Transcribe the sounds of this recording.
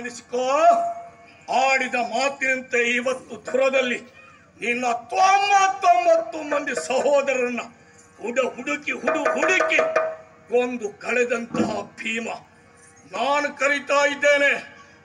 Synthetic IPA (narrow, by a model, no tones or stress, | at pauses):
ɐɽisi̥koː | aːɽid̪ɐmaːt̪inɐnt̪eiːʋɐt̪ːud̪ʱuɾɐd̪ɐlːi | ninːɐɐt̪ːʋaːmːaːt̪ʋɐmːɐt̪ːumɐnd̪isɐɦɔːd̪ɐɾɐnːɐ | huɖɐɦuɽukiɦuɽuɦuɽiki | ond̪ukɐɽɛd̪ɐnt̪ɐɦɐbʱiːmɐ | naːnukɐɾit̪aːjid̪ːeːne